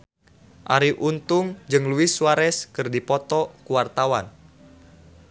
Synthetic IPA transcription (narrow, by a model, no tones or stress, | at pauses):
ʔa̰ɾiʔunt̪uŋd͡ʒɨŋluisuwaɾɛskɨrdipɔt̪ɔkuwart̪awan